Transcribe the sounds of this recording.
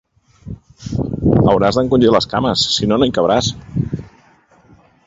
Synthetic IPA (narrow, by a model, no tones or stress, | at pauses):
ə̰wɾazðəŋkund͡ʒiləska̰məsːinonoikəβɾas